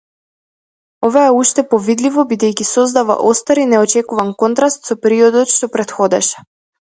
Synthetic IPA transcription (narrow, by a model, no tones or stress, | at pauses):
ɔvaɛuʃt̪ɛpɔvid̪livɔbid̪ɛjcisɔzd̪ava̰ʔɔst̪aɾinɛɔt͡ʃɛkuvankɔnt̪ɾast̪sɔpɛɾiɔd̪ɔt̪ʃt̪ɔpɾɛt̪xɔd̪ɛʃɛ̥